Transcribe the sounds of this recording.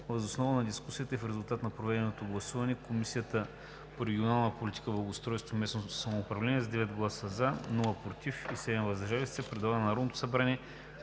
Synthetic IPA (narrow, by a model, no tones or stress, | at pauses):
vəzosnɔvənɐd̪iskusijət̪əifɾɛzʊlˠt̪at̪nɐpɾovɛd̪ɛnot̪oɡlˠɐsuvɐnɛkomisijət̪ə | poɾɛɡʲionalˠnəpolʲit̪ikəblˠɐɡost̪ɾɔjst̪vomɛsnosɐmoːpɾɐvlɛnʲiɛzɐd̪ɛvɛt̪ɡlˠasəzanulˠəpɾot̪ifisɛd̪ɛmvɐzd̪ɐʒalist̪sɛpɾɛd̪lˠaɡənnɐɾɔd̪not̪o̥sɐbɾanʲiɛ